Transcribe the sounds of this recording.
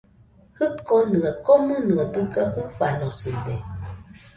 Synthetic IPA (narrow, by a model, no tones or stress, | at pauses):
hɨkonɯakomɨnɨad̪ɨkahɨɸanosibe